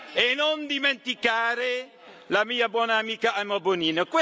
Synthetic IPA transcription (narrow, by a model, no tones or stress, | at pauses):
enond̪iment̪ikaːɾe | lamiːabwɔːnaːmiːkaamoboniːnokwe